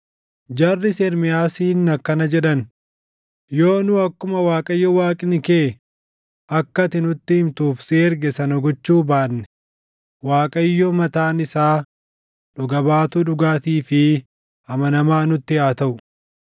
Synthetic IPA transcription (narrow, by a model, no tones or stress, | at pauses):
d͡ʒɐrːɪsɛɾmɪjaːsiːnːɐkːɐnɐd͡ʒɛᶑɐn | jo̞ːnʊɐkːʊmɐwaːkʼɐjːɔwaːkʼɪnɪkeː | ʔɐkːɐt̪ɪnʊt̪ːɪhɪmt̪uːfseːɛɾɡɛsɐnɐɡɔt͡ʃːuːbaːnːɛ̥ | waːkʼɐjːɔmɐt̪aːnɪsaː | ᶑʊɡɐbaːt̪uᶑʊɡaːt̪iːfɪ | ɐmɐnɐmaːnʊt̪ːɪjaːt̪ɐʔʊ